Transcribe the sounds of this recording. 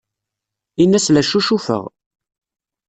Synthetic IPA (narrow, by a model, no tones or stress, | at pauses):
inːæslæʃuʃufə̰ʁ